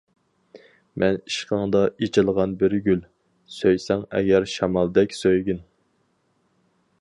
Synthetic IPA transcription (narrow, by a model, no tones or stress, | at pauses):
mʔɛni̥ʃqʰəŋd̪ɑit͡ʃʰɪlˠʁɑnbɪɾɡʲyl | søjsɛŋɛ̰ɡʲɛɾʃɑmɑlˠd̪ɛkʲsøjɡʲin